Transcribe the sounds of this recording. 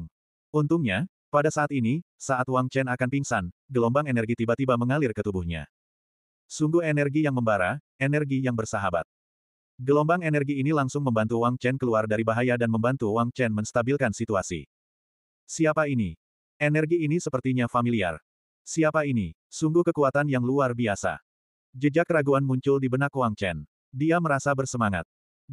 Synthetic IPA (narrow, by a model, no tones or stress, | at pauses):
ŋ | unt̪uŋɲa | padasaːt̪ini | saʔat̪waŋt͡ʃɛnakanpiŋsanɡəlɔmbaŋenɛrɡit̪ibat̪ibaməŋalɪrkət̪ubuhɲa̰ | suŋɡuhenɛrɡijaŋməmbaɾa | enɛrɡijaŋbərsaɦaba̰t̪̚ | ɡəlɔmbaŋenɛrɡiːnilaŋsʊŋməmbant̪uwaŋt͡ʃɛnkəluardaɾibaɦajadanməmbant̪uwaŋt͡ʃɛnmənst̪abilkansit̪uasḭ | siapaini | enɛrɡiːnisəpərt̪iɲafamilia̰r | siapainisuŋɡukəkuat̪anjaŋluarbiasa̰ | d͡ʒəd͡ʒakəɾaɡuanmuɲt͡ʃʊldibənakowaŋt͡ʃɛn | diaməɾasabərsəmaŋa̰t̪̚